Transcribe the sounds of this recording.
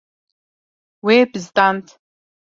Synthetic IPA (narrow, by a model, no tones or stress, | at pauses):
webɨzt̪ʼantʰ